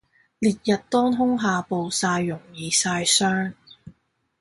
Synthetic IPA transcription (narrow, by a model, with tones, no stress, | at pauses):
liː˨t̚jɐ˨t̚t̪ɔː˥nɦʊ˥ŋɦaː˨˧po˨wsaː˧jːʊ˨˩ŋjiː˨˧saː˧jsœː˥ŋ